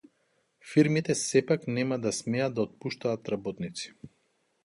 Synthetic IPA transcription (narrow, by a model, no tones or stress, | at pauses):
fiɾmit̪ɛsɛpaknɛmad̪asmɛad̪d̪aɔt̪̚puʃt̪aːt̪ɾabɔt̪nit̪si̥